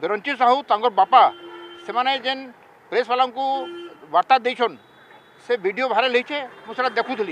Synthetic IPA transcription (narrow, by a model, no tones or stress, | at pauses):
beɾɔnt͡ʃisaɦut̪ãŋɡɔɾbapasemaned͡ʒen | pɾesʋalaŋkuʋaɾt̪ad̪ejt͡ʃʰɔn | seʋiɖijobʱaɾelejt͡ʃʰemũseɾad̪ekʰũt̪ʰili